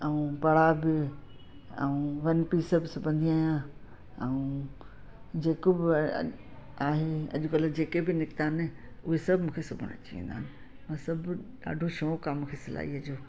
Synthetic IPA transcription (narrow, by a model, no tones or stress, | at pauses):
ɛũpɐɽ̤abɪ | ɛ̰ũːʋɐnpiːsəbɪsʊbʱə̃nd̪iaːijã | ɛũ | d͡ʑeːkobɪ̰ | aːɦeɐ̰ʄʊkɐləd͡ʑeːkebɪnɪkt̪aːnɪ | ʊɦesɐbʱɪmũːkʰesʊbʱəɽ̃t͡ɕiʋḭ̃nd̪a̰ːɪnɪ | mãːsɐbʱɗa̰ːɖʱoʃõːkamkʰesɪla̰ːiɐd͡ʑoː